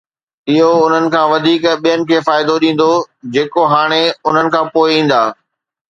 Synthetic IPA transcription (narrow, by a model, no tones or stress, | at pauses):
ɪɦoʊn̤ənɪ̆kʰãːʋɐd̪ʱiːkɓijənɪ̆kʰeːfaːɪd̪oɗĩːn̆d̪od͡ʑeːkoɦaːɽ̃eʊn̤ənɪ̆kʰãːpoːɪĩːn̆d̪aː